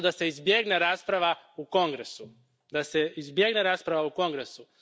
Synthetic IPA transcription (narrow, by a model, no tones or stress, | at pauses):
d̪ase̞izbjeɡne̞ɾaːspɾaʋauko̞ŋɡɾesu | d̪ase̞izbje̞ɡne̞ɾaːspɾaʋauko̞ŋɡɾesu